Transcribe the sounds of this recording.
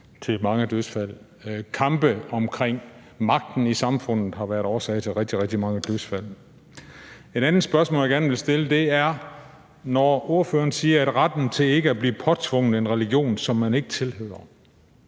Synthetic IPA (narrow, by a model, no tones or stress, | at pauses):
t͡sʰe̝lmɑ̈ŋəd̥øsfæl̰ | kʰɑ̈mb̥əɒ̽mkʰʁeŋ̰ | mɑ̈ɡ̥̚d̥n̩isɑ̈mfɔ̽n̰ð̩ˠɦɑ̈ʋæɐɾ̥ɒːsɛɪt͡sʰe̝lʁɛɡ̥̚d̥iʁɛɡ̥̚d̥imɑ̈ŋəd̥øsfæl̰ | e̝ɾ̥ænð̩ˠsb̥ɶɐsmɔ̰ːljaɡæɐnʋe̝lsd̥e̝ləd̥e̝æɐ | nɒo̝ɐfø̰ːɐnsiːɐæd̥ʁad̥n̩t͡sʰe̝le̝ɡ̥əæbliːpʰɒ̽t͡sʰʋɔ̽ŋ̰ð̩ˠenʁɛliɡ̥jo̝̰ːnsɒ̽mːæne̝ɡ̥ət͡sʰe̝lhø̰ːɐ